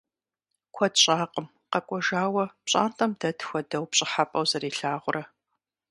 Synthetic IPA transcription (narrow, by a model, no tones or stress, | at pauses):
kʷʰɔdɕʼaːqəm | qɐkʷʼɔʒaːwɐpɕʼa̰ːntʼɐmdɐtxʷɐdɐwpɕʼɪħapʼɐwzɐɾiːɬaːʁʷʊrʔɐ